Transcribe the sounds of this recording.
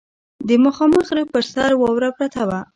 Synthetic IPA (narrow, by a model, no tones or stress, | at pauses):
d̪əməxɑməxɾəpəɾsaɾwɑwɾapɾat̪awa